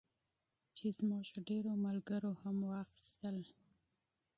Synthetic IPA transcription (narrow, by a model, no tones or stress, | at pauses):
t͡ʃezmɑʃɖeɾomalɡəɾohamwaxi̥st̪əl